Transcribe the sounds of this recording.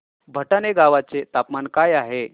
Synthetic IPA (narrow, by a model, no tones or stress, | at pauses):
bʱəʈaneɡaʋat͡set̪apmankajaɦe